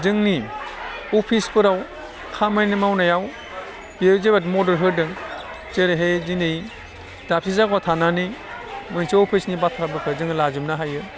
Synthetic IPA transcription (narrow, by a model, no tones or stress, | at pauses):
zɯŋni | ɔpʰispɯɾaw | kʰamajnimawnajaw | bezebat̬mɔdɯɾɦɯɾdɯŋ | t͡ʃeɾeɦezinej | d̥apʰizakwatʰananimɯnsɯɔpʰisnibatʰɾabɯpʰɯzɯŋlazɯmnaɦajɯ